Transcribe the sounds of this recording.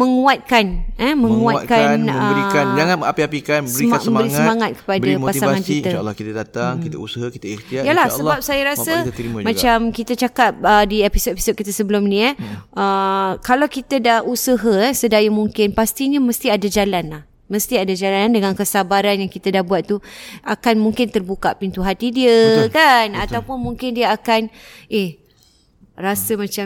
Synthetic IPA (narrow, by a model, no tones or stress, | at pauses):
məŋũat̪̚kanəmə̃ŋuakanəiand͡ʒaŋanəapiapikansbəɾimamə̃mbəɾisəmaŋat̪̚kə̥padapasiaŋankit̪aa̰lːɔkit̪adat̪aŋkiausəɦakit̪airt̪iajalahsəbap̚sajaɾasəmãt͡ʃamkit̪at͡ʃakap̚ədiepisot̪̚epi̥sod̚kit̪asəbəlʊmnĩaʔəkalawkit̪adahusəɦəɛsədajəmuŋkɪnpast̪iɲaməst̪iadad͡ʒalanlah | məst̪iadad͡ʒalanndəŋankəsabaɾanjaŋkit̪adahbuat̪t̪ːuakanmũŋkɪnt̪ərbukaʔpint̪uɦat̪idiəkanat̪awpʊnmuŋkɪndiəakanʔeh | rasəmãt͡ʃa